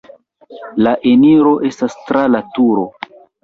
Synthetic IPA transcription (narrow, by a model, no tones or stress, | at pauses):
laʔeniɾo̞ʔe̞stastɾalatuɾo̞